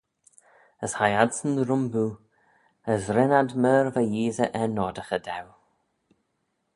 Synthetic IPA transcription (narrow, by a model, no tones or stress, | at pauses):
əshajadsənɾʊmbuː | əsɾɪnadməːɹvajiːzəʔɛnɔːdəxədɛw